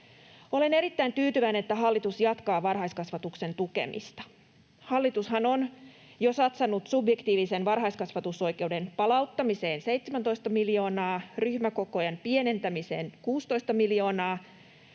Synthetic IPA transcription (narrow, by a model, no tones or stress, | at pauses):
o̞le̞ne̞ɾit̪ːæint̪yːt̪yʋæineet̪ːæɦɑlːit̪usjɑt̪kɑːʋɑrɦɑjskɑsʋɑt̪ukse̞nt̪uke̞̰mḭst̪ɑ̥ | hɑlːit̪ushɑnon | josɑt̪sɑnːut̪subje̞kt̪iːʋisenʋɑrɦɑjskɑsʋɑt̪uso̞jke̞ude̞npɑlɑut̪ːɑmise̞ːnsejt̪semænt̪o̞jst̪ɑmiljo̞ːnɑːryçmæko̞kojɑnpie̞ne̞nt̪æmise̞̰ːnkuːst̪o̞ist̪ɑmiljo̞ːnɑː